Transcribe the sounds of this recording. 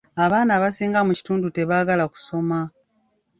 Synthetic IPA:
aβaːnaβasiːŋɡamuci̥tuːndute̞βaːɡalaku̥so̞ma

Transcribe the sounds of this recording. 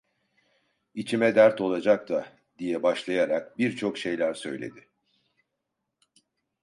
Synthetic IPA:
it͡ʃʰimɛd̪æɾt̪ʰo̞lˠad͡ʒak̚t̪ʰa | d̪ijɛbaʃlˠajaɾak̚biɾt͡ʃʰo̞kʃe̞jlʲæɾsø̞jlʲe̞̰d̪ɪ

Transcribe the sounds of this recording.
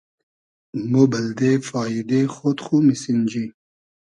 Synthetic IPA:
mobəld̪efɑːjid̪exot̪χumisind͡ʑi

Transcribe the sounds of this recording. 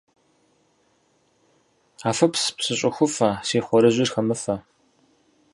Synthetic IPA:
aːfɐpspsɨɕʼɪxʷʊfɐsiːχʷɔɾɨʑʷirxɐmɨfɐ

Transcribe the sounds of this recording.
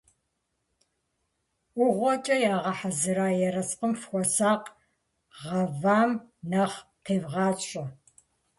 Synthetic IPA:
ʊʁʷɔt͡ʃʼɐjaːʁɐħazɨɾaːjɛɾɐsqʼəmfxʷɔsaːq | ʁɐvaːmnɐχqʰeːvʁɑːɕʼɐ

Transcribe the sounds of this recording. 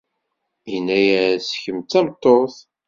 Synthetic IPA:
jənːæjæsçəmt̪ːæmt̪ˤːoθ

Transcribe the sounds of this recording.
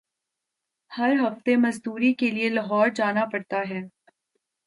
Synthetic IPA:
hɐɾɦɐft̪emɐzd̪uːɾikelielɐɦɔːɾd͡ʒaːnapɐɽt̪aɦɛː

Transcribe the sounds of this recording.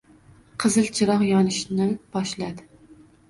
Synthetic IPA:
qʰɨzɨlt͡ʃʰɪɾɑqjɒnɪʃnɪb̥ɒʃlæd̪ɪ

